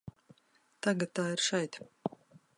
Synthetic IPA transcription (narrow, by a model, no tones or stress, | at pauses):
t̪aɡat̪̚t̪ːaːiɾʃɛjt̪